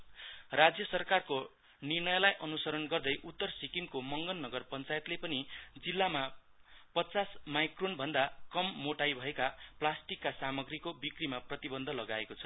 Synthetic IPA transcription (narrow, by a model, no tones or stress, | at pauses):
rad͡zjʌsʌrkarko | nirnʌjlajʔʌnusʌɾʌnɡʌrd̪ʌjʔut̪ːʌrsikiŋkomʌŋɡʌnːʌɡʌrpʌnt͡sajet̪lepʌnid͡zilːama | pʌt͡sasmajkronbʱʌnd̪akʌmːoʈajbʱʌekaplasʈikːasamʌɡrikobikrimaprʌt̪ibʌnd̪ʱʌlʌɡaekot͡sʰʌ̥